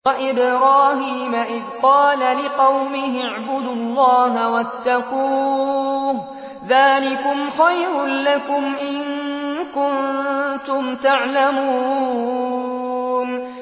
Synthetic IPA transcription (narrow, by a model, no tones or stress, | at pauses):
ʔɪbɾaːhiːmaʔɪðqɑːlalɪqɑwmɪɦɪʕbʊd̪ʊlˤːɑːɦawat̪ːaquː | ðaːlɪkʊmxajɾʊlakʊmʔɪnkʊnt̪ʊmt̪aʕlamuː | n